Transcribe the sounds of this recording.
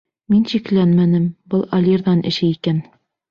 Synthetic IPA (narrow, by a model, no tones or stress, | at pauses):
minɕiklænmænɘmbɤlˠɐlʲirðɑnʔɘ̰̆ʃɘikæn